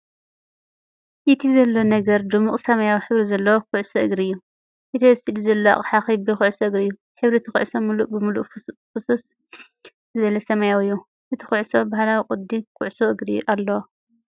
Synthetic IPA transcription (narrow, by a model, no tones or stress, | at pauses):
ʔit̪ʰizɐlːo̞nɐɡɐɾd̪ɨmuqʼsɐmajawiħɨβɾizɐlːɐwokʰʊʕsoʔɨɡɾiɨjːu | ʔit̪ʰisid̪izɐlːoa̰ʔʼħaxibɨxʊʕsɐɨɡɾiɨjːu | ħɨβɾit̪ʰixʊ̰ʕsomuluʔʼbɨmuluʔfɨsɐs | zɨβɐlɐsɐmajawɨjːu | ʔɨt̪ʰi̥xuʕso̞bahlawiqʼʊd̪ːikʰʊʕʊsoʔɨɡɾijʔalːɐwo